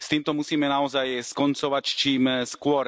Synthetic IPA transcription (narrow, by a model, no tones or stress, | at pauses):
st̪iːmt̪ɔmusiːmɛnaɔzajskɔnt͡sɔʋact͡ʃiːmskʊɔɾ